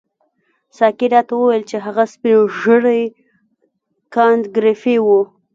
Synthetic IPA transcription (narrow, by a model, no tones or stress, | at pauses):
sɑkiɾɑt̪awəwajlt͡ʃeɦaɣaspinoʒəɽəj | kɑnd̪ɡɾefewu